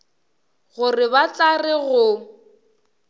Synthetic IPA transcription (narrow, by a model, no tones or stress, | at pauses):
ɣʊrɪbat͡ɬarɪɣʊ